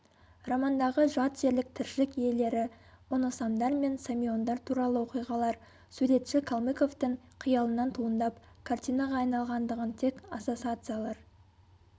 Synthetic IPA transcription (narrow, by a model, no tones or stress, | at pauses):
rɑmɑnd̪ɑʁəʒɑt̪ʒ̥e̞ɾlɪk̚t̪ʰɪɾʃɪkje̞le̞ɾɪ | ʊnɑsɑmd̪ɑɾme̞nsamʲio̞nd̪ɑɾt̪ʰuɾɑlˠəwo̞qijʁɑlˠɑɾ | suɾe̞t̪ʃɪkʰolˠmeko̞ft̪əɴ | qʰijɑlˠənɑnt̪ʰuənd̪ɑp | kʰart̪ʲijnɑʁɑːjnɑlˠʁɑnd̪əʁənt̪ʰe̞kaso̞t̪sɨat̪sɨjalˠɑɾ